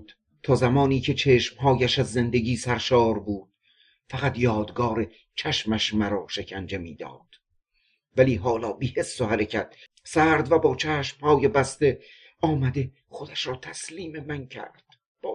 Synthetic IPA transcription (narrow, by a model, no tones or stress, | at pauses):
d̪̥ | t̪ʰɒːzæmɒːniːcʰe̞t͡ʃʰeːʃmhɒːjæʃæzːe̞nd̪e̞ɡiːsæɾʃɒːɾbuːd̪̥ | fæʁæt̪jɒːd̪ɡɒːɾe | t͡ʃʰæʃmæʃmæɾɒːʃe̞cʰænd͡ʒe̞miːd̪ɒ̰ːd̪̥ | væliːɦɒːlɒːbiːhesːohæɾecʰæt̪̚ | sæɾd̪væbɒːt͡ʃʰæːʃmhɒːjebæst̪e̞ | ɒːmæd̪e̞ | χo̞d̪æʃɾɒːt̪ʰæsliːme̞mæncʰæ̰ɾd̪̥ | b̥ː